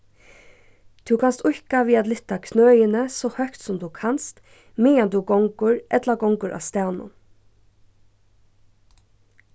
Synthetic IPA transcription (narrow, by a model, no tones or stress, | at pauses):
t̪ʰʉwkʰanst̪ʊhkaʋiːat̪lɪht̪akʰnøːjɪnəsɔːhœkt̪sʊmd̪ʉkʰanst̪ | mɪːand̪ʉɡɔŋkʊɹʔɛt̪laɡɔŋkʊɹʔa̰ːst̪awnʊ̰n